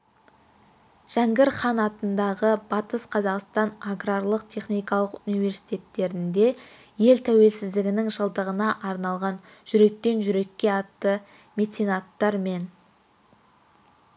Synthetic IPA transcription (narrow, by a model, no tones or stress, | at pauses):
ʒ̥æŋɡʲɪɾχɑnɑt̪ənd̪ɑʁəbɑt̪əsqʰɑzɑqst̪ɑnaɡrarlˠəq̚t̪ʰe̞χnijkɑlˠəqunijve̞ɾsi̥jt̪e̞t̪ːe̞ɾɪnd̪e̞ | je̞lt̪ʰæwe̞lsɪzd̪ɪɡʲɪnɪŋʒəlˠd̪əʁənɑʔɑɾnɑlˠʁɑn | ʒʏɾe̞k̚t̪e̞nʒʏɾe̞kʲːe̞ɑt̪ːə | me̞t̪sʲinat̪ːɑɾme̞n